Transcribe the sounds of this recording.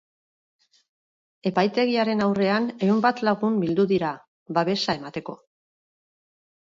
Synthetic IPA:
e̞pajt̪e̞ɣ̞iaɾe̞nawre̞ane̞umbat̪laɣ̞umbild̪uðiɾa | βaβe̞sae̞mat̪e̞ko̞̰

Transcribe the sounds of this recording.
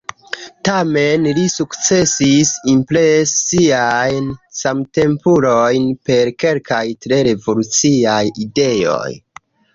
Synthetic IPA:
tamenlisukt͡se̞sisimplesːiajnsamte̞mpulojnpe̞ɾke̞lkajtɾe̞ɾe̞volut͡siajide̞jo̰j

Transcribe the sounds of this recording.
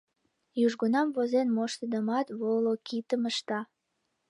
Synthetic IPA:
juʒɣonɑmvozenmoʃt̪əd̪əmɑt̪βolokit̪əməʃt̪ɑ

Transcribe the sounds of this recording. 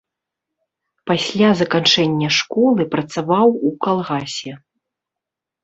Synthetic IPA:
pasʲlʲazɐkant͡ʂɛnʲːɐʂkɔlˠɨpɾɐt̪savawukalˠɣasʲɛ

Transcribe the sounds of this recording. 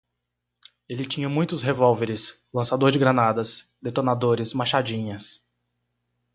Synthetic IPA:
elɪt͡ʃĩɲɐmũj̃t̪ʊsɦevɔwveɾɪs | lɐ̃sad̪oɾd͡ʒɪɡɾɐnad̪ɐs | d̪et̪onad̪oɾɪsmaʃad͡ʒĩɲɐs

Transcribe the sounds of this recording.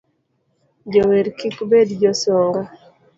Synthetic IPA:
d͡ʒɔweɾkikbedd͡ʒɔsɔŋɡa

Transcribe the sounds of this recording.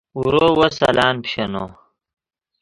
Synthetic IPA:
uɾoːwosɐ̰laːnpɕɐnoː

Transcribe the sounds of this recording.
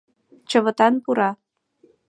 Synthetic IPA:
t͡ɕə̆βə̆t̪ɑnpuɾɑ

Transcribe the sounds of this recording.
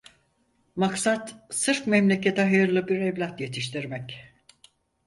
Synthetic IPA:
maksat̪sɯɾfmɛmlʲe̞cʰe̞t̪ʰɛɦajɯɾlˠɯbiɾɛvlʲat̪je̞t̪ʰiʃt̪ʰiɾmɛc

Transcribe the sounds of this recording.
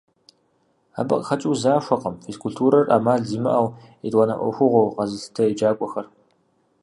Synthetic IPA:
a̰bɨ̰qʼxɐt͡ʃʼiwzaːʃʷɐqʼəmfeskʰultʰuːɾɐrʔa̰maːɮziːmɨ̰ʔɐw | edʼwɐnɐ̰ʔʷɔ̰xʷʊʁʷowqɐzɨɬtʰɐid͡ʒaːkʷʼɔxɐr

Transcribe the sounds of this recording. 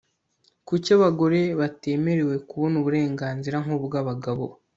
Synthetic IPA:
kucaβaɡo̞ɾe̞βate̞ːme̞ɾe̞we̞kuβonuβuɾe̞ːŋɡaːnziɾaŋubɡaːβaɡaβo̰

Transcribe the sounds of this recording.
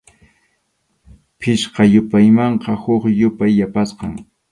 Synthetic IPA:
pʰɪʃqɑjʊpajmɑɴqɑhʊχjʊpajːapasqɑŋ

